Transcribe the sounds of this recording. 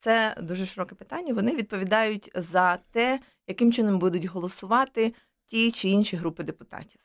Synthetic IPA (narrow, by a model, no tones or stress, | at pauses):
t̪sɛd̪uʒɛʃɪɾɔkɛpɪ̥t̪ɑnʲːɐʋɔnɪʋʲid̪̚pɔʋʲid̪ɑjʊtʲzɐt̪ɛ | jɐkɪmt͡ʃɪnɔmbud̪ʊtʲɦɔlˠɔsʊʋɑt̪ɪ | tʲit͡ʃɪinʃiɦɾupɪd̪epʊt̪ɑ̰tʲiw